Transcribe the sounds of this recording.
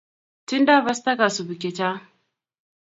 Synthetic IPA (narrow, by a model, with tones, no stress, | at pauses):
tɪ˦nda˦˨bɐ˦st̪ɐ˦ka˨su˨bɪ˨kʲɪ˨t͡ʃa˦